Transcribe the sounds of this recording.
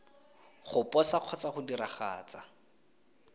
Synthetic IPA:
χʊpʼɔsaq͡χʰɔt͡saχʊdiraχa̰ːt͡sa

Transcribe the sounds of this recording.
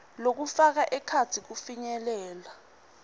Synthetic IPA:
lok̬ufak̬aʔɛkʰat͡sʰik̬ufiɲɛlɛːla

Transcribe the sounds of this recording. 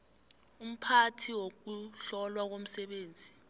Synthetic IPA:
um̩pʰatʰiwok̬uɬɔlwak̬om̩sɛɓeːnd͡zʱi

